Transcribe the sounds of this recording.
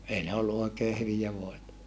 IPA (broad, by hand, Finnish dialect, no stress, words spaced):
ei ne olːu oikeː hyʋijæ ʋoetɑ